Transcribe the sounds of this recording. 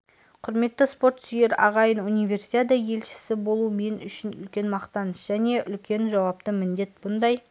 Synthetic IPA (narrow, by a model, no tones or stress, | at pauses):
qʰʊɾme̞t̪ːəspo̞ɾt̪sʏje̞ɾɑ̰ʁɑjənunijve̞rsi̥t̪ʲed̪ɑje̞lʃɪ̥sɪbo̞lˠume̞nʏʃɪnʏ̰lkʲe̞nmɑqt̪ɑnəʃʒ̥æne̞ʔʏlkʲʰe̞nʒɑwɑp̚t̪əmɪnd̪e̞t̪̚b̥ʊnd̪ɑj